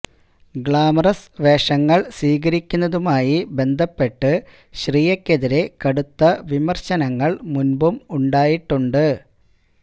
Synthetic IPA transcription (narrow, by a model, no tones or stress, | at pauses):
ɡɭaːmɐrɐsʋe̞ːʂɐŋːɐɭsiːɣɐɾikʲːunːɐðumaːjibe̞nd̪ʱɐpːe̞ʈːɨ | ɕriːjekʲːeðiɾe̞kɐɽut̪ːɐʋimɐrɕɐnɐŋːɐɭmunbumuɳɖaːjiʈːuɳɖɨ